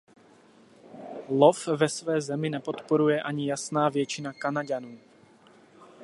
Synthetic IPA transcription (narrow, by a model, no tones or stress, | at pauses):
lofvɛsvɛːzɛmɪnɛpo̞t̪po̞ɾujɛʔaɲɪjasnaːvjɛt͡ʃɪnakanaɟanuː